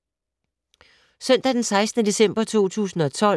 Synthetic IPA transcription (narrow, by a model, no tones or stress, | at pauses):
sœn̰d̥æd̥ensɑ̈ɪsd̥nəd̥e̝sem̰b̥ɐt͡sʰo̝̰ːt͡sʰṵːsn̩ɒ̽t͡sʰɒ̽l